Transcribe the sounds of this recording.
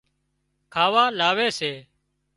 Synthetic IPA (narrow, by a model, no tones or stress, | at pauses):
kʰaːʋaːlaːʋeːseː